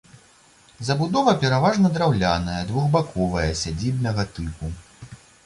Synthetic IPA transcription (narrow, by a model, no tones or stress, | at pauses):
zɐbud̪ɔvɐpʲɛɾavaʐnɐd̪ɾawlʲanɐjɐd̪vuɣbakʰɔvɐjɐsʲad͡zʲibnɐɣɐt̪ɨpu